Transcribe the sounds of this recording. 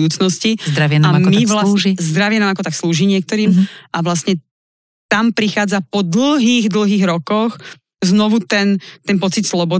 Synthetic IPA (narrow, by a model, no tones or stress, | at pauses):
uːt͡snɔscid̪ɾaʋɪɛaamiʋlazd̪ɾaʋɪɛnaːmakɔt̪aksluːʒiɲɪɛk̚t̪ɔɾiːmʔaʋlasɲɛ | t̪ampɾixaːd͡zapɔd̪l̩ɦiːɣd̪l̩ɦiːɣɾɔkɔx | znɔʋut̪ɛnt̪ɛnpɔt͡sit̪slɔbɔ